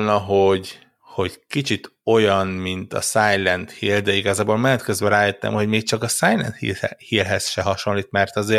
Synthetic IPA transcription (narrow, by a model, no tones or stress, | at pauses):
nɒɦo̞ɟ | ho̞ɟkit͡ʃit̪o̞jɒnmint̪ɒ̰sajlɛnt̪hiːld̪ɛiɡɒzaːboːlmɛlːɛt̪køzbɛɾaːjet̪ːɛ̰mho̞ɟmeːk̚t͡ʃɒkɒsaːjlɛ̰nt̪hḭhiːlɦɛsʃɛɦɒʃo̞nliːt̪mɛrt̪ɒzeː